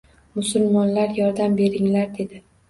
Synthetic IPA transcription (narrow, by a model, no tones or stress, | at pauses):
mʊsʊlˠmɒnlaɾjɒɾd̪ambe̞ɾɪŋlaɾd̪e̞d̪ɪ